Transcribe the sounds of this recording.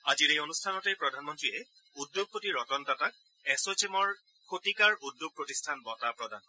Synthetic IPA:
aziɹejonustʰanɔtɛpɹɔdʱanmɔntɹiɛ | udjoɡ̚potiɹɔtɔntatak̚ | ɛsot͡ʃemɔɹ | kʰotikaɹudjoɡ̚pɹotistʰanbɔtapɹɔda̰n

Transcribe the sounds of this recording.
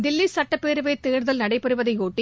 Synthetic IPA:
d̪ɪlːisɐʈːɐpːeːɾɯʋet̪ːeːɾðɐlnɐɽɐɪpːɐɾɯʋɐðɐɪoːʈːi

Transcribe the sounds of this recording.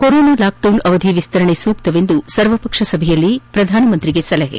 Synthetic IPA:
koɾoːnɐlaːk̚ʈɐwnɐʋɐd̪ʱiʋist̪ɐɾɐɳesuːk̚t̪ɐʋe̞nd̪usɐɾʋɐpɐkʂɐsɐbʱejɐlːipɾɐd̪ʱaːnɐmɐnt̪ɾiɡesɐlɐɦḛ

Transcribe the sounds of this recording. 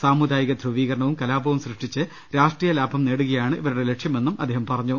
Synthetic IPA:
saːmud̪ʱaːjiɣɐd̪ʱruʋiːɣɐɾɐɳɐʋumkɐlaːbʱɐʋumsrɨʂʈit͡ɕːɨ | ɾaːʂʈriːjɐlaːbʱɐmneːɽuɣɐjaːɳɨiʋɐɾuɽe̞le̞ʂjɐme̞nːumʔɐd̪ːeːɦɐmpɐrɐɲːu

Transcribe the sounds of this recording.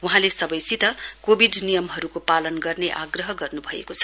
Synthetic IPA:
wuɦãlesʌbʌjsit̪ʌkobʱiɖnijʌmɦʌɾukopalʌnɡʌrneʔaɡrʌɦʌɡʌrnubʱʌḛkot͡sʰʌ̥

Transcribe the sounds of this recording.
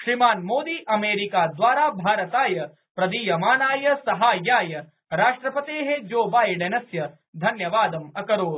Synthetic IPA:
ʃɾimaːnmoːd̪iːʔɐmeːɾikaːd̪ʋaːɾaːbʱaːɾɐt̪aːjɐ | pɾɐd̪iːjɐmaːnaːjɐsɐɦaːjaːjɐ | ɾaːʂʈɾɐpɐt̪eːɦed͡ʒoːbaːjɖɐnɐsjɐ | d̪ʱɐnjɐʋaːd̪ɐmɐkɐɾoːɾ

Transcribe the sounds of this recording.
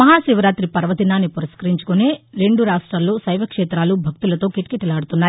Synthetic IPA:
mɐɦaːʃiʋɐɾaːt̪ɾipɐɾʋɐd̪inaːnːipuɾɐskɐɾiɲt͡ʃu̥kuneːɾe̞ɳɖuɾaːʂʈɾaːlːo̞ːsɐjʋɐkʂɛːt̪ɾaːlubʱɐk̚t̪ulɐt̪o̞ːkiʈkeʈːulaːɽut̪unːaːji

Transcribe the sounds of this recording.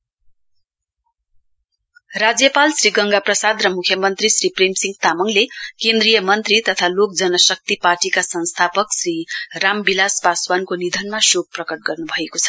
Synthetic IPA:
rad͡zjʌpalsriɡʌŋɡaprʌsad̪rʌmukʰjʌmʌnt̪risripremsiŋɡt̪amʌŋlekend̪rijʌmʌnt̪rit̪ʌt̪ʰalok̚d͡zʌnʌsʌk̚t̪iparʈikasʌnst̪ʰapʌksrirambilaspaswankonid̪ʱʌnmasok̚prʌkʌʈ̚ɡʌrnubʱʌekot͡sʰʌ̥

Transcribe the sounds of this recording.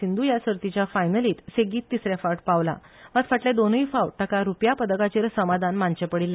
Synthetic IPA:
ind̪ʱujasəɾt̪it͡ɕjafajnəliːt̪seɡiːt̪ːisɾjafaʈpaʋla̰ | ʋãt̪faʈled̪onifawɽʈəkaɾupjapəd̪əkat͡ɕeɾsəmad̪ʱanmant͡ɕepəɽilːe

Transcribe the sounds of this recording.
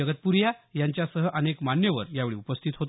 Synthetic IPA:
əɡət̪̚puɾjajaɲt͡ɕjasəɦəʔənekmanjəʋə̰ɾjaʋeɭḭːupəst̪ʰiːt̪ɦot̪

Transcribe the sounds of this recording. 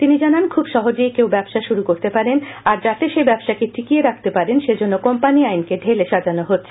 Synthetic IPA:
t̪inid͡ʑanankʰubʃɔɦod͡ʑejkewbɛbʃaʃuɾukoɾt̪epaɾenaɾd͡ʑat̪eʃebɛbʃakiʈʰikieɾakʰt̪epaɾenʃed͡ʑonːokɔmpaniajnkeɖʱeleʃad͡ʑanoɦotːɕʰe

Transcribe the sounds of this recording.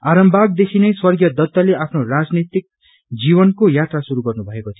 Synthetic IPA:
aɾʌmbʱaɡ̚d̪ekʰinʌjswʌrɡjʌd̪ʌt̪ːʌleʔapʰnorad͡znit̪ik̚ | d͡zibʌnkojat̪rasuɾuɡʌrnubʱʌekot̪ʰio

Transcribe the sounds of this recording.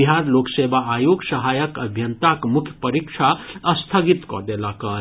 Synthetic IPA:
iɦaɾloksebaːjoɡsəɦajəkəbʱjənt̪akmukʰjə̥pəɾikt͡ʃʰaəst̪ʰəɡit̪kɔ̰d̪elakəɾ

